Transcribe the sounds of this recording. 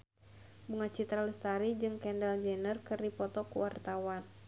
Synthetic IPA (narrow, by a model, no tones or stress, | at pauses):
buŋat͡ʃit̪ɾaləst̪aɾid͡ʒɨŋkɛndɛld͡ʒɛnərkɨrdipɔt̪ɔkuwart̪awan